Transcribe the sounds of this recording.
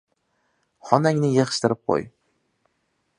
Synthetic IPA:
χɒnaŋnɪjeχʃt̪ɪɾɪp̚qʰo̰j

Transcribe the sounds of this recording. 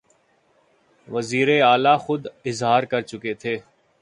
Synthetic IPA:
ʋɐziːɾeaːlaxʊd̪ɪzɦaːɾkɐɾt͡ʃʊket̪ʰeː

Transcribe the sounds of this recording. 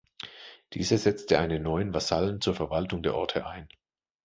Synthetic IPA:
d̥ḭːzɐzɛt͡stʰəʔaɪnənɔʏənvasalənt͡suːɐfɛɐvaltʊŋdeːɐʔɔɐtʰəʔaɪn

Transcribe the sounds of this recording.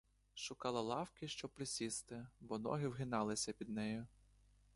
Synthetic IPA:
ʃʊkɑlˠɐlˠɑwkɪʃt͡ʃɔpɾɪsʲist̪ɪbɔnɔ̰ɦɪwɦɪnɑlˠɪsʲɐpʲid̪nɛjʊ

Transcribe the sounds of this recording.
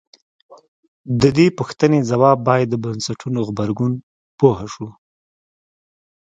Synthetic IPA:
d̪əd̪epuxt̪ənezawɑbːɑjad̪ːəbansaʈʰunoɣbaɾɡun | pohaʃu

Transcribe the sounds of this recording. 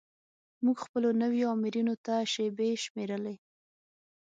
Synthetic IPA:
muɡxpəlonəwjoamɪɾunot̪aʃebeʃmeɾəle

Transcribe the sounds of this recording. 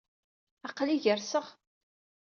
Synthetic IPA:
ɑqːliʝəɾsəʁ

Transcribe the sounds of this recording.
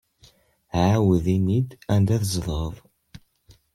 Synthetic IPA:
ʕawəðinid̪ænd̪æθzˤɾˤəðˤ

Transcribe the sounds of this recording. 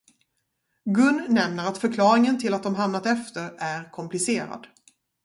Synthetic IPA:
ɡɵnːɛmnəɾat̪fœɾkʰlɑːɾɪŋənt̪ʰɪlːat̪̚d̪ɔmɦamnat̪ɛft̪əɾæɾkʰɔmpʰlɪseːɾa̰d̪

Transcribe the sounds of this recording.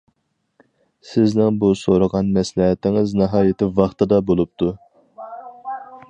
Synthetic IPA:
sɪznɪŋbusoɾəʁɑnmɛslɛɦɛt̪ɪŋɪznɨɦɑːjɪt̪ʰɪvɑχt̪ɨd̪ɑbolˠup̚t̪ʰu

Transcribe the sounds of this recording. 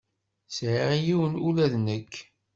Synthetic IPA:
sʕaijiwənulæðnəkː

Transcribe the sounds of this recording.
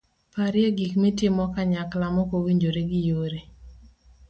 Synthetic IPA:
paɾɪɛɡikmitɪmɔkaɲaklamɔkowiɲd͡ʒoɾeɡɪjoɾe

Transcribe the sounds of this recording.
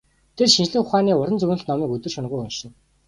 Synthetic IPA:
t̪ʰerʃint͡ɕɮɘ̆ŋχʊχaːniːʊɾə̆nt͡sɵɣnə̆ɮt̪nɔmiːkɵt̪ɘ̆rʃʊnʁujɵnʃɪ̆n

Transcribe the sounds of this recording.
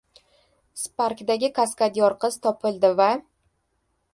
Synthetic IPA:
spaɾkd̪aɡʲɪkʰaskad̪jɒɾqɨz̥t̪ʰɒpʰɪlˠd̪ɪva

